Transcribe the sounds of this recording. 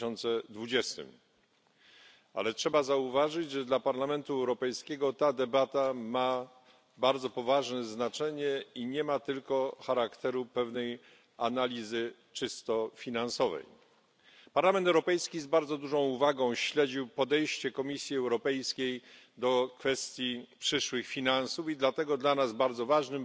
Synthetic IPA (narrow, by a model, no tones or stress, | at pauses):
ɔnt̪sɛd̪vud͡ʑɛst̪ɘ̰m | a̰lɛtʂɛbazauvaʐɘd͡ʑʐɛd̪lapaɾlamɛnt̪uɛwɾɔpɛjskʲɛɡɔt̪ad̪ɛbat̪ama | baɾd̪zɔpɔvaʐnɛznat͡ʂɛɲɛiɲɛmat̪ɘlkɔxaɾakt̪ɛɾupɛvnɛj | analʲizɘ | t͡ʂɘst̪ɔfʲinansɔvɛ̰j | paɾlamɛnt̪ɛwɾɔpɛjskʲizbaɾd̪zɔd̪uʐɔ̃w̃uvaɡɔ̃w̃ɕlɛd͡ʑiwpɔd̪ɛjɕt͡ɕɛkɔmʲisʲjiɛwɾɔpɛjskʲej | d̪ɔkfɛst̪ʲjipʂɘʂwɘxfʲinansufid̪lat̪ɛɡɔd̪lanazbaɾd̪zɔvaʐnɘm